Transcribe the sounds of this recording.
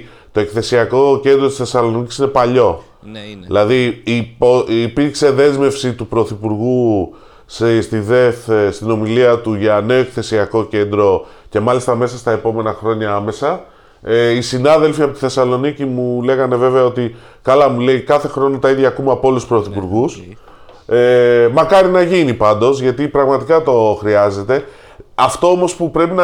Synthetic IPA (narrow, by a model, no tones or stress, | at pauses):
t̪o̞e̞kθe̞siɐko̞ce̞nd̪ɾo̞t̪isθe̞sɐlo̞nici̥sine̞pɐʎo̞ | ðilɐðipoipiɾkse̞ðe̞zme̞fsit̪upɾo̞θipuɾɣu | sst̪iðe̞θst̪ino̞miliɐt̪uʝɐne̞o̞e̞kθe̞siɐko̞ce̞nd̪ɾo̞ | ce̞mɐlist̪ɐme̞sɐst̪ɐe̞po̞me̞nɐxɾo̞ɲɐɐme̞sɐ | isinɐðe̞lfiɐpot̪i̥θe̞sɐlo̞nicimule̞ɣɐne̞ve̞veɐo̞t̪i | kɐlɐmule̞ikɐθe̞xɾo̞not̪ɐiðʝɐːkumeɐpooluspɾo̞θipuɾɣus | emɐkɐɾinɐʝinipɐnd̪o̞zʝɐt̪ipɾɐɣmɐt̪ikɐt̪o̞xɾiɐze̞t̪e̞ | ɐft̪o̞omo̞spupɾe̞pinɐ